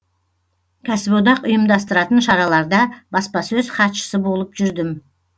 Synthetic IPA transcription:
kʲʰæsɪbod̪ɑqʊjəmd̪ɑst̪əɾɑt̪ənʃɑɾɑlˠɑɾd̪ɑbɑspɑsɵzχɑt̪ʃə̥səbo̞lˠəpʒ̥ʏɾd̪ɪm

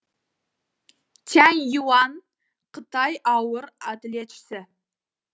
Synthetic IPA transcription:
t̪ʰænjuwɑn | qʰət̪ɑjʔɑwəɾɑd̪ɪlet̪ʃɪ̥sɪ

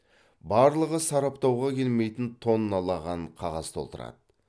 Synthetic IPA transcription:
bɑɾlˠəʁəsɑɾɑpt̪ɑwʁɑkʲʰe̞lme̞jt̪ɪnt̪ʰo̞nːɑlˠɑʁɑɴqʰɑʁɑzt̪ʰo̞lˠt̪əɾɑ̰d̪ə

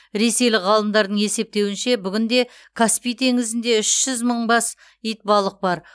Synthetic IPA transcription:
ɾe̞se̞jlɪʁɑlˠəmd̪ɑɾd̪əɴe̞se̞p̚t̪e̞wɪnʃe̞bʏɡʲɪnd̪e̞ | kʰaspijt̪ʰe̞ŋɪzɪnd̪e̞ʏʃʒ̥ʏzməɴbɑs | ijt̪̚bɑlˠəq̚bɑɾ

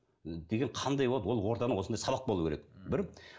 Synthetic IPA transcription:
d̪e̞ɡʲeɴqʰɑnd̪ɑjwolˠɑd̪wo̞lˠwo̞ɾt̪ɑnəwo̞sənd̪ɑjsɑbɑq̚bo̞lˠukʰʲeɾek̚bɪɾ

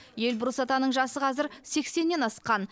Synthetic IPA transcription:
je̞lbʊɾəsɑt̪ɑnəɴʒɑsəqʰɑzɪɾse̞kse̞nːe̞nɑsqɑn

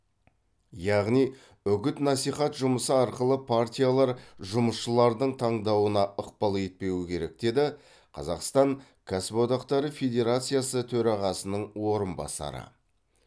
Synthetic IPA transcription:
jɑʁnij | ʏɡʲɪt̪nɑsijχɑt̪ʒʊməsəɑɾqəlˠəpʰart̪ʲijalˠɑɾʒʊməsʃəlˠɑɾd̪əɴt̪ʰɑɴd̪ɑwənɑʔəqpɑlˠet̪̚pe̞wɪkʲʰe̞ɾe̞k̚d̪̥e̞d̪ɪ | qʰɑ̰zɑqst̪ɑŋ | kʲʰasbo̞d̪ɑqt̪ɑɾəfʲe̞d̪ʲe̞ɾat̪sɨjasət̪ʰɵɾɑʁɑsənəɴwo̞ɾənbɑ̰sɑ̰ɾə̰

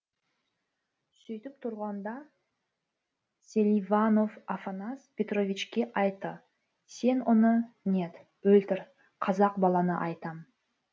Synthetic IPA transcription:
sɵjt̪ɪp̚t̪ʰʊɾʁɑnd̪ɑ | sʲelʲivano̞vafanaspʰʲe̞t̪ro̞vʲit͡ʃkʲe̞ʔɑjt̪ːə | se̞nʊnəne̞t̪ | ɵlt̪ɪɾ | qʰɑzɑqbɑlˠɑnəʔɑjt̪ɑm

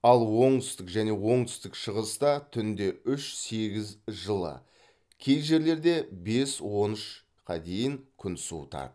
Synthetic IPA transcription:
ɑlˠwo̞ɴt̪ʰʏ̥st̪ɪkʒæne̞wo̞ɴt̪ʰʏ̥st̪ɪkʃəʁəst̪ɑt̪ʰʏnd̪e̞ʏʃse̞ɡʲɪzʒəlˠə̰ | kʲʰe̞jʒe̞ɾle̞ɾd̪e̞be̞swo̞nɪʃ | qʰɑ̰d̪ejɪŋkʲʰʏnsṵt̪ɑ̰t̪

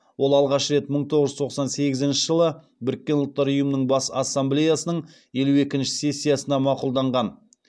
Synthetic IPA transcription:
wo̞lˠɑlˠʁɑʃəɾe̞t̪məɴt̪ʰo̞ʁəʒʏt̪ʰo̞qsɑnse̞ɡʲɪzɪnʃɪʒəlˠə | bɪɾɪk̚ʲːe̞nʊlˠt̪ːɑɾʊjəmənəɴbɑsɑsːamblʲe̞jasənəɴ | je̞lue̞kʲɪnʃɪ̥se̞sʲːijasənɑmɑqulˠd̪ɑɴʁɑn

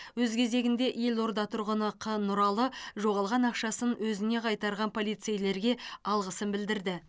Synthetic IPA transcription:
wɵzkʲʰe̞ze̞ɡʲɪnd̪e̞ʔje̞lo̞ɾd̪ɑt̪ʰʊɾʁənəqʰənːʊɾɑlˠəʒo̞ʁɑlˠʁɑnɑqʃɑsənwɵzɪne̞qʰɑjt̪ɑɾʁɑnpʰo̞lˠijt̪sejle̞ɾɡʲe̞ɑlˠʁəsənbɪld̪ɪɾd̪ɪ

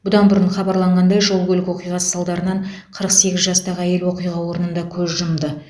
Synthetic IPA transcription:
b̥ʊd̪ɑnbʊɾəɴχɑbɑɾlˠɑɴʁɑnd̪ɑjʒo̞lˠɡʲɵlɪkwo̞qijʁɑsə̥sɑlˠd̪ɑɾənɑɴ | qʰəɾəqse̞ɡʲɪzʒɑst̪ɑʁəæje̞lwo̞qijʁɑwo̞ɾənənd̪ɑkʲʰɵzʒəmd̪ə

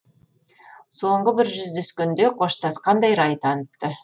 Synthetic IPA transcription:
so̞ɴʁəbɪɾʒʏzd̪eskʲɪnd̪e̞qʰo̞ʃt̪ɑsqʰɑnd̪ɑjɾɑjt̪ʰɑnəp̚t̪ə

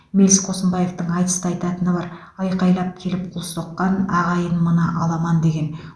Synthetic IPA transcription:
me̞lsqʰo̞səmbɑje̞ft̪əɴɑjt̪ə̥st̪əɑjt̪ɑt̪ənəbɑɾ | ɑjqɑjlˠɑp̚kʲʰe̞lɪp̚qʰolˠsoqːɑnɑʁɑjənmənɑʔɑlˠɑmɑnd̪eɡʲe̞n

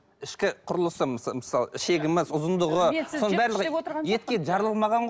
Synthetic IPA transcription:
ɪʃkʲɪqʰʊɾəlˠəsəmməsɑlˠəʃe̞ɡʲɪmɪzʊzənd̪əʁəsonəbæɾləʁjet̪̚kʲeʒɑɾəlˠəlˠmɑʁɑɴʁ

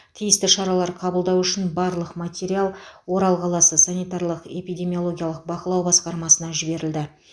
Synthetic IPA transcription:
t̪ʰijɪst̪ɪʃɑɾɑlˠɑɾqʰɑbəlˠd̪ɑwʏʃɪnbɑɾlˠəqmat̪ʲeɾialˠwo̞ɾɑlˠqʰɑlˠɑsəsanijt̪aɾlˠəqe̞pijd̪ʲe̞mio̞lˠo̞ɡʲijɑlˠəq̚bɑqəlˠɑwbɑsqɑɾmɑsənɑʒɪbe̞ɾɪld̪ɪ

